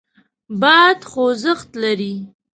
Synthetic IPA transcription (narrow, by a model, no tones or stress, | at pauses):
bɑjad̪xozəxt̪laɾi